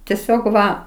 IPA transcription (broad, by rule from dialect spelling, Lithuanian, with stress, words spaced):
tʲɛˈsʲoːk ˈʋɐ